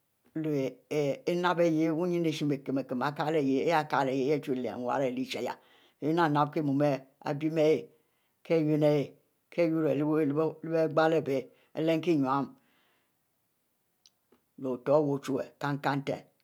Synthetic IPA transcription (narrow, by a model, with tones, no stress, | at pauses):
lo˨e˨e˦na˦be˦˨je˦wu˦ɲi˦ne˨ʃi˦me˨ke˨me˨ke˨ma˨ka˦le˨je˦e˦ja˦˨ka˨le˨je˨˦e˦t͡ʃu˦˨lḛ˨wa̰˦ɾe˨li˦t͡ʃa˨ja̰˨˦ | e˦na˦˨na˦b̚ke˦˨mu˨me˦a̰˨bi˦me˦je˨ | kʰe˦˨je˦ne˦je˨ | kʰe˦ju˦ɾe˨˦li˦be˦ɡ͡ba˦le˦˨be˦ | ḛ˦le˦ŋ˦ki˦˨ɲwa˨˦m | lo˨to˨˦wo˨t͡ʃu˦ḛ˨ka˦ŋ˦ka˦n̩˦tḛ˨